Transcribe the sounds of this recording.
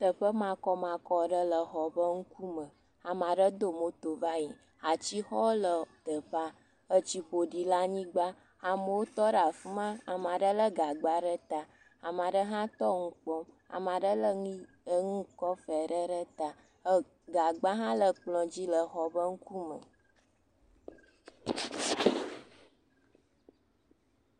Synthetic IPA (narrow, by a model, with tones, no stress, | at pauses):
t̪ə˨ɸə˦mã˨kɔ˦mã˨kɔ˦ɖə˦lə˨xɔ˨bə˦ŋu˦ku˦mə̃˨ | a˨mã˨ɖə˦d̪o˦mo˨t̪o˨va˦ɲĩ˨ | a˨t͡ɕi˦xɔ˦lə˨t̪ə˨ɸa˦ | ə˦t͡ɕi˨ɸo˨ɖi˨la˦ɲĩ˦ɡ͡ba˦ | a˨mə˨wo˦t̪ɔ˦ɖa˨fu˦mã˦a˨mã˨ɖə˦lə˦ɡa˨ɡ͡ba˦ɖə˦t̪a˨ | a˨mã˨ɖə˦ɦã˦t̪ɔ˦ŋũ˦k͡pɔ̃˦m | a̰˨m˨ã˨ɖə˦lə˦ | ŋũ˦kɔ˦fɛ˨ɖə˦ɖə˦t̪a˨ | ə˦ | ɡa˨ɡ͡bã˦ɦã˦lə˨k͡plɔ̃˨d͡ʑi˦lə˨xɔ˦bə˦ŋ̩˦ku˦mə̰̃˨